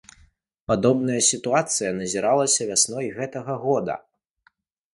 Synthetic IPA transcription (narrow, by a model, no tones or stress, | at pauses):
pad̪ɔbnɐjɐsʲit̪uat̪sɨjɐnɐzʲiɾalˠɐsʲɐvʲasnɔjɣɛt̪ɐɣɐɣɔd̪ɐ̰